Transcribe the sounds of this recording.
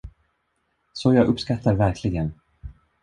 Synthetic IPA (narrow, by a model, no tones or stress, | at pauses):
sɔjɑːɡʔɵpːskat̪ʰːaɾvæɾkʰlɪɡən